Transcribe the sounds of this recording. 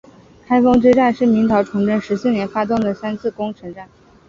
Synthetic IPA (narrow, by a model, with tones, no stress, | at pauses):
kʰa˥ɪfɑ˥ŋʈ͡ʂɻ̩˥ʈ͡ʂa˥˧nʂɻ̩˥˩mi˧˥ŋt̪ʰɑ˧˥ʊʈ͡ʂʰʊ˧˥ŋʈ͡ʂə˥˩nʂɻ̩˧˥sɹ̩˥˩njɛ˧˥nfa˥t̪ʊ˥˩ŋd̪ə˩sa˥nt͡s̩ʰ˥˩kʊ˥ŋʈ͡ʂʰə˧˥ŋʈ͡ʂa˥˩n